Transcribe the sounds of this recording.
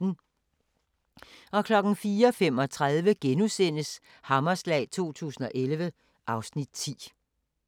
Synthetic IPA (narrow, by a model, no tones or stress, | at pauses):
n̩ | ɒ̽kʰlɒ̽ɡ̥n̩fiːɐɒfem̰ɒ̽t͡sʰʁað̞ˠʋəɡ̥enusen̰əs | hɑ̈mɐslɛ̰ːɪt͡sʰo̝̰ːt͡sʰṵːsn̩ɒ̽ʔelʋə | ʔɑ̈ʊsnid̥̚t͡sʰḭː